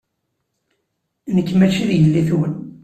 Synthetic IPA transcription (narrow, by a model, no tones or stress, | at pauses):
nəkːmæʃiðjəlːiθuwən